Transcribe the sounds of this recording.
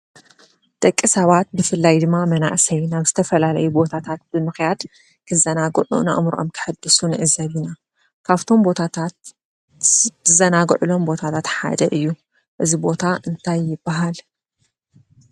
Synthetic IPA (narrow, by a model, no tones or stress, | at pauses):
d̪̥ʼɐkʼːisɐβat̪̚bɨfɨlːajd̪ɨmːamɐna̰ʔsɐjnaβzɨt̪ʰɐfɐlalɐjubo̞t̪ʰat̪ʰat̪̚b̥ɨmɨxjad̪ | kʰɨzɐnaɡʕṵna̰ʔmɾʔo̰mkʰɨ̥ħɨd̪ːɨsunɨʔɨzɐβina | kʰaβt̪ʰo̞mbo̞t̪ʰat̪ʰat̪ | ɨzɐnaɡʕulo̞mbo̞t̪ʰat̪ʰat̪ħa̰d̪ɐʔɨjːu | ʔɨzibo̞t̪ʰaʔɨnt̪ʰajːɪbːaɦal